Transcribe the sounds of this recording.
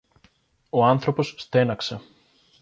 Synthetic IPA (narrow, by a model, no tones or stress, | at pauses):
o̞ɐnθɾo̞po̞sːt̪e̞nɐkse̞